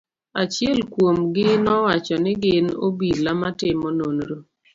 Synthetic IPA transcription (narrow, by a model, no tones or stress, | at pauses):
at͡ʃɪɛlkwomɡɪnɔwat͡ʃɔnɪɡɪno̰bilamatɪmɔnonɾo